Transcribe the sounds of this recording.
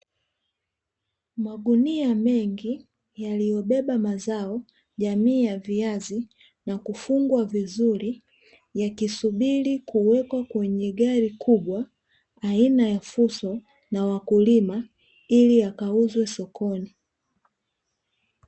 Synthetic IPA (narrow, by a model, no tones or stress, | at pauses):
maɡuniamɛŋɡi | jalijɔɓɛɓamazaɔ | ʄamiːjaviazi | nakufuŋɡwavizuɾi | jakisuɓilikuwɛkwakwɛɲɛɡaɾikʰuɓwaː | inajafusɔ | nawakulima | iliakauzwɛsɔkʰɔni